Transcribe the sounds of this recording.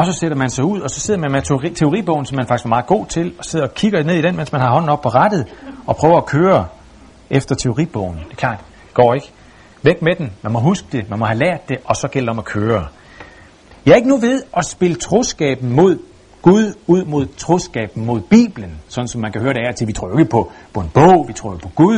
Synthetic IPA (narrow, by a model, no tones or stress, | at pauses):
ɒ̽sɒ̽seɾ̥ɐmænsɑ̈ɪuð̰ˠɒ̽sɒ̽se̝ð̞̰ˠɐmemet͡sʰe̝o̝ʁḭb̥ɔ̽ʊn̩sɒ̽mːænfɑ̈ɡ̥sɡ̥ʋɑmɑ̈ːð̩ˠɡo̝̰ːt͡sʰe̝lɒ̽se̝ð̰ˠɐɒkʰiɡ̥ɐne̝ð̞̰ˠid̥enmensmænhɑ̈ɦɒ̽n̰n̩ɒ̽b̥̚pʰɒ̽ʁɑd̥ð̞̩ˠɒ̽pʰʁœːʊɐːkʰøːɐ | ʔefd̥ɐt͡sʰe̝o̝ʁḭb̥ɔ̰ʊn̩d̥e̝ɐkʰlɑ̰̈ːd̥ | ɡ̥ɒ̰ːe̝ɡ̥ə | ʋeɡ̥med̥en̩mænmɒ̽ɦusɡ̥əd̥e̝mænmɒ̽hælæɐ̰d̥ːe̝ʔɒ̽sɒ̽ɡ̥el̰d̥ɒ̽mækʰøːɐ | jɑ̈ɐe̝ɡ̥ənuʋe̝ð̞ˠʔɒ̽sb̥e̝lət͡sʰʁosɡ̥ɛ̰ːb̥n̩mo̝ð̞̰ˠ | ɡ̥uðˠuð̞̰ˠmo̝ð̞̰ˠt͡sʰʁosɡ̥ɛ̰ːb̥n̩mo̝ð̞̰ˠb̥ḭːb̥lənsɒ̽d̥n̩sɒ̽mːænkʰæhøːɐɾe̝æɐt͡sʰeʋit͡sʰʁo̰joeɡ̥əpʰɒ̽pʰɒ̽e̝nb̥ɔ̰ʊ̰ʋit͡sʰʁo̝ːɐopʰɒ̽ɡ̥uðˠ